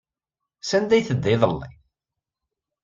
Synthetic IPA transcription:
sænd̪æjθəd̪ːɪðˤəlːḭ

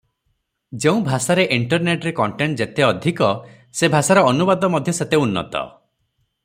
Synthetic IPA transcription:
d͡ʒeũbʱasaɾeʔiɳʈɔɾneʈɾekɔɳʈeɳʈ̚d͡ʒet̪eɔd̪ʱikɔ | sebʱasaɾɔːnubad̪ɔmɔd̪ʱjɔset̪eunːɔ̰t̪ɔ̰

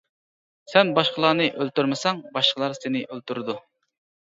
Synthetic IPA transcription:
sɛnbɑʃqəlˠɑːnɨʔølt̪yɾmɨsɑŋbɑʃqəlˠɑɾsenɪʔølˠt̪uɾɨd̪u

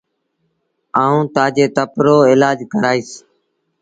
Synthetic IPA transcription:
aːũːt̪aːd͡ʒeːt̪əpɾoːɪlaːd͡ʒkəɾaːiːs

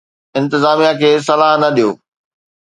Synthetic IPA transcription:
ɪ̃nt̪ɪzaːmijãkʰeːs̬ɐlaːɦnɐɗijoː

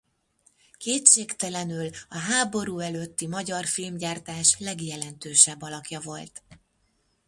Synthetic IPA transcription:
keːt̪ʃeːkt̪ɛlɛnylɒɦaːbo̞ɾuːɛløːt̪ːimɒɟɒrfilmɟaːrt̪aːʃlɛɡjɛlɛnt̪øːʃɛbːɒlɒkjɒvo̞lt̪

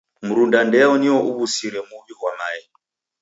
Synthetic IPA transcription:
muɾundandɛɔniɔʔuβusiɾɛmuβiɦwamaɛ

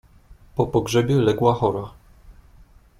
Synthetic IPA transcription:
pɔpɔɡʐɛbʲjɛlɛɡwaxɔɾa

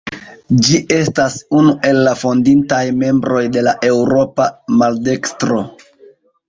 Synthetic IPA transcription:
d͡ʒiʔe̞stasunuʔe̞lːafo̞ndintajme̞mbɾo̞jde̞laʔe̞wɾo̞pamalde̞kstɾo̞

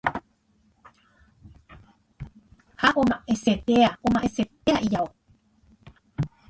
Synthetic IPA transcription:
haʔomaʔeset̪eaʔomaʔeset̪̚eaʔijao

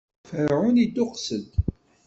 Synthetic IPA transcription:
fəɾʕʊnid̪ʊqsəd̪

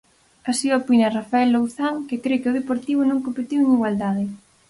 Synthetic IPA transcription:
asiopinɐrafaɛlːowθaŋkɪkɾekeoðepoɾt̪iβ̞ʊnõŋkompet̪iweŋiɣwald̪aðɪ

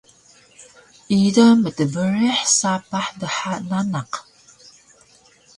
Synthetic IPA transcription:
ʔidəmətəvəɾeħsapaħdəħananaq

